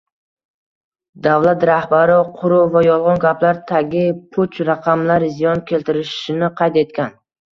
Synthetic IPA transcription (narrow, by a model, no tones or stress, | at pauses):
d̪avlat̪ɾahbaɾɪqʰʊɾʊvajɒlˠʁɑnɡʲaplaɾt̪ʰaɡʲɪpʰʊt͡ʃɾaqʰɑmlaɾzijɒnkʲʰe̞lt̪ʰɪɾɪʃɪnɪqʰɑjt̪e̞t̪kʲan